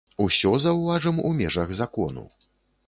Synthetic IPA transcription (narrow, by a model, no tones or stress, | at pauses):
usʲɔzɐwvaʐɐmumʲɛʐɐɣzakɔnṵ